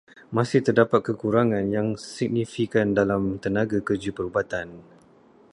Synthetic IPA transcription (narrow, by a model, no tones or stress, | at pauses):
mãsɪht̪ərdapat̪̚kəkuɾaŋãnjaŋsik̚nifikandalamt̪ənãɡakərd͡ʒupəɾubat̪an